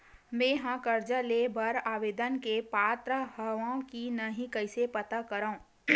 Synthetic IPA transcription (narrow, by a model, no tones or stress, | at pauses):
mẽːɦãkɐɾd͡ʒəlebɐɾaːʋeːd̪ənkepaːt̪ɾəɦəʋãkinɐɦĩkɐɪsepɐt̪akɐɾaõː